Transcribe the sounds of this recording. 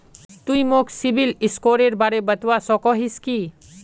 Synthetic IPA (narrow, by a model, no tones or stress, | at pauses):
t̪uimoːksibilɪskoːɾeɾbaɾebɐt̪wasɔːkɔːɦiski